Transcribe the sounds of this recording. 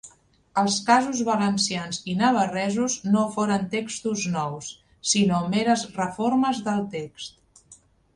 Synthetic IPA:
əlˠskazuzβələnsianzinəβ̞ərɛzuznofoɾənt̪ekst̪uznɔwsː | inomeɾəzrəfoɾməzðəlˠt̪ekst̪

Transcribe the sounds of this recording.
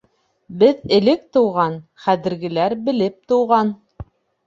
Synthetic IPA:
bɘðɘ̆lɘk̚t̪ɤ̆wʁɑnχæðɘ̆ɾɡɘ̆læɾbɘ̆lɘp̚t̪ŏwʁɑn

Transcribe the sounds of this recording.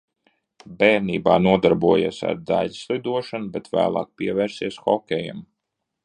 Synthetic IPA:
bɛːɾniːbaːnuɔd̪aɾbuɔja̰ːsa̰ɾd̪aʎslˠid̪uɔʃanubɛt̪væ̰ːlˠɑ̰ːk̚piɛvɛːɾsiɛsxɔkʲɛja̰m

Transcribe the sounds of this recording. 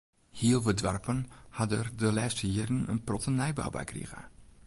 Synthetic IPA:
hiəlˠʋədʋarpənhadərdəlɛːstəiədən̩ə̰nprɔtənɛjba̰wba̰jkrḭɣə̰

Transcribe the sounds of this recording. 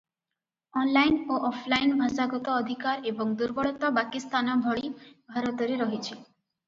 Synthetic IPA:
ɔnlajnoʔɔpʰlajnbʱasaɡɔt̪ɔːd̪ʱikaɾebɔŋd̪uɾbɔɭɔt̪ɔbakist̪anɔbʱɔɭibʱaɾɔt̪ɔɾeɾɔɦit͡ʃʰi

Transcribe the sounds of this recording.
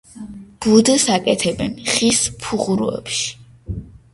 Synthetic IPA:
b̥ud̪sakʼɛt̪ʰɛbɛnχispʰuʁuɾṵɛ̰pʃi̥

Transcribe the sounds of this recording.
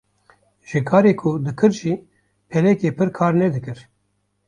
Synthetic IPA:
ʒ̥ɨkʰɑːɾeːkʰʊd̪ɨkʰɨɾʒiː | pʰɛlɛkeːpʰɨɾkʰɑːɾnɛd̪ɨkɨɾ

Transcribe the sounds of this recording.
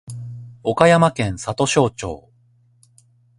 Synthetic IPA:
o̞kajamakẽ̞ɰ̃sat̪o̞ɕo̞ːt͡ɕo̞̰ː

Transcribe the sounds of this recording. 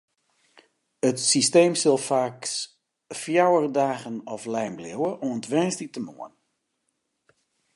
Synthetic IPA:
ətsisteːmsɪlˠfaːks | fjawərdaːɣənɔflɛjmblɪwəʔɔəntʋɛnstitəmṵən

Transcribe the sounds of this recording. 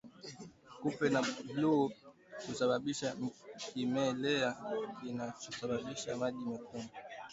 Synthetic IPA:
kupɛnablo | t͡ʃusaɓaɓiʃakimɛlɛakinat͡ʃusaɓaɓiʃamaɗimɛkuma

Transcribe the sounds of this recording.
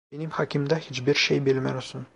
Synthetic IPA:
enimhɑkʲimd̪æhit͡ʃbiɾʃejbilʲmæ̰josun

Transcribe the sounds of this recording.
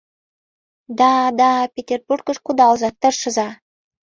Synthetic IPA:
d̪ɑd̪ɑpʲetʲerburkə̆ʃkud̪ɑlˠzɑt̪ə̆ʃə̆zɑ

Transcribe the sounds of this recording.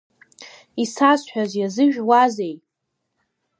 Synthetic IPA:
isasħʷᶣazjazɨʒᶣwazej

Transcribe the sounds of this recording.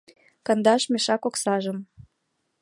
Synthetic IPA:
kɤ̆nd̪ɑʃmʲeʃɑkoksɑʒəm

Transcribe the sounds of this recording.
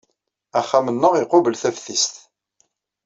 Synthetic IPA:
æχːamənːəʁiqobəlθæfθist̪

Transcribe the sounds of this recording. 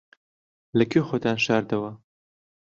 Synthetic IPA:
lɐkʰexoːt̪aːnʃaːɾd̪ɐwɐ

